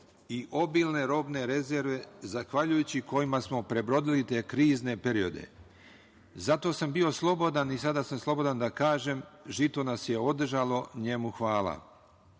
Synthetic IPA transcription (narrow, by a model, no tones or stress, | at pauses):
iʔo̞bilˠne̞ɾo̞bne̞ɾe̞zeɾʋe̞zaxʋaʎujut͡ɕiko̞imasmo̞pɾe̞bɾo̞d̪ilit̪e̞ːkɾiːzne̞pe̞ɾio̞d̪e̞̰ | zat̪o̞ːsambio̞slˠo̞bo̞d̪anisad̪asamslˠo̞bo̞d̪and̪akaːʒe̞mʒit̪o̞nasje̞o̞d̪rʒalˠo̞ɲe̞muxʋaːla̰